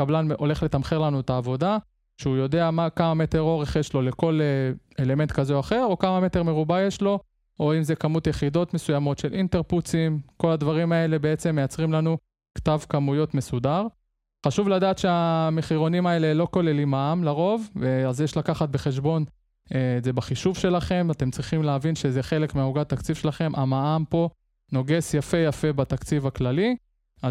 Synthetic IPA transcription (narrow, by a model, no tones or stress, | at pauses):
kablanʔo̞le̞χlet̪amχeʁlanuet̪aːvo̞da | ʃeujo̞d̪e̞amakamame̞te̞ʁo̞ʁe̞χjeʃlo̞le̞ko̞leele̞me̞nt̪kazeoaχe̞ʁo̞kamame̞t̪eʁme̞ʁubajeʃlo̞ | oimzekamut̪jeχido̞t̪me̞sujamo̞tʃelʔint̪e̞ʁput͡simko̞lad̪vaʁimae̞le̞beet͡se̞mːejat͡sʁimlanu | kt̪avkamujo̞t̪me̞sudaʁ | χaʃuvladaːt̪ʃeameχiʁo̞nimae̞le̞lo̞ko̞le̞limaamlaʁo̞vveazjeʃlakaχat̪̚be̞χe̞ʃ̬bo̞n | eze̞baχiʃuvʃe̞laχe̞mat̪e̞mt͡sʁiχimleavinʃezeχe̞le̞kmiuɡat̪akt͡sivʃe̞laχe̞mʔamaampo̞ | no̞ɡe̞sjafe̞jafe̞bat̪akt͡sivaklali | a